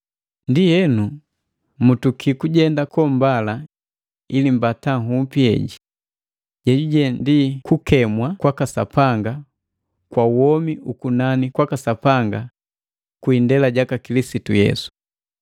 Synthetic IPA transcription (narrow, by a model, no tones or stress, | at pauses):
ndijɛnu | mutukʰikuɟɛndakɔmbala | ilimbataŋɦum̩piɛ̰ɟi | ɟɛɟuɟɛndikukɛmwakwakasa̰paŋɡa | kwauwɔmiʔukunanikwakasapaŋɡa | kwindɛlaɟakakilisitujɛ̰su̥